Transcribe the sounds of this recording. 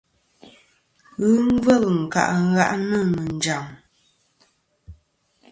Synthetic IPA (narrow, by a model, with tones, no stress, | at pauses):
ɣɨ˦ŋ˦və˦˨ɣŋ̩˨ka̰˨ʔɣa̰˦ʔnə˦˨nə˨n̩˨d͡ʒa˨ŋ